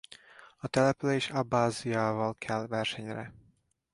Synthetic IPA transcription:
ɒt̪ɛlɛpyleːʃɒbːaːzijaːvɒlkʰɛlːvɛrʃɛɲrɛ̰

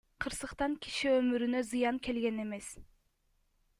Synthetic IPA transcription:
qʰɯɾsɯqt̪ɑŋkʲi̥ʃiømyɾynøzɯjɑŋke̞lɡe̞ne̞me̞s

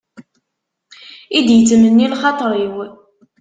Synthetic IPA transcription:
id̪jət͡sːəmənːilχɑt̪ˤɾˤiw

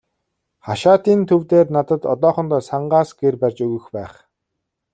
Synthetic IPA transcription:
χaʃaːt̪iːnt̪ʰɵwt̪eːrnat̪ə̆t̪ɔ̰t̪ɔːχə̆nt̪ɔːsaɴɢaːsɡ̥erpærʲt͡ɕɵɣɵ̆xpæːχ

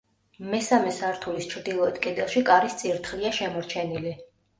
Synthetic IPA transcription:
mɛsamɛsaɾt̪ʰulist͡ʃʰɾd̪ilˠɔɛt̪kʼid̪ɛlˠʃikʼaɾist̪sʼiɾt̪ʰχliaʃɛmɔɾt͡ʃʰɛnili

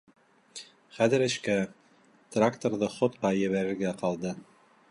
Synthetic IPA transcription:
χæðɘ̆ɾɘ̆ʃkæ | t̪rakt̪orðɤχŏt̪̚qɑjɘ̆βæɾɘ̆ɾɡæqɑlˠd̪ɤ

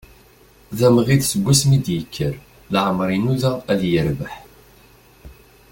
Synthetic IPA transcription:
ðæməʁiðsəɡʷːæsmid̪jəkʰːəɾ | lʕəmɾˤinuðææljəɾvəħ

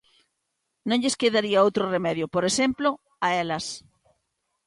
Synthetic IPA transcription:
nõŋʎeskeðaɾiaowt̪ɾoremɛðjopoɾesemplo | aɛlɐs

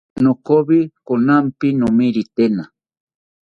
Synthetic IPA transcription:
nokoβikonampinomiɾit̪ena

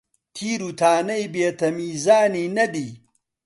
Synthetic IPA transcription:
t̪ʰiːɾuːt̪ʰaːnɐjbeːt̪ʰɐmiːzaːniːnɐd̪iː

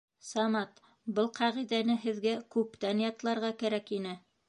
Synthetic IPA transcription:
sɑmɑt̪ | bɤlˠqɑʁiðænɘɦɘ̆ðɡækʉpt̪ænjɑt̪lˠɑɾʁɑkæɾækinɘ

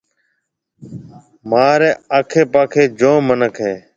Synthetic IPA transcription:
maːɾeːaːkʰeːpaːkʰeːd͡ʒõːmənəkʰɦẽː

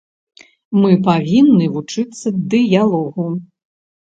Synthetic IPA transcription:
mɨpavʲinːɨvut͡ʂɨt̪sːɐd̪ɨjalˠɔɣu

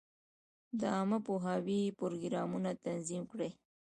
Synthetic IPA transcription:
d̪əɑməpoɦɑwipʊɾoɡɾɑmunat̪anzimkɽe

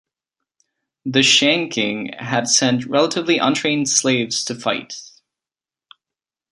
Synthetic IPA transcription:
ðɨʃæ̃ŋkʰɪ̰̃ŋɨdsɛ̃ntɹɛlˠəɾɨvliʔʌ̰̃ntʰɹ̥ẽɪ̃nd̥sleɪvz̥tʰɨfaɪt̚

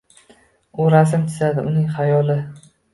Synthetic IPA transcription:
ʊɾasɪmt̪ʰɪ̥zad̪ɪʊnɪŋχajɒlɪ

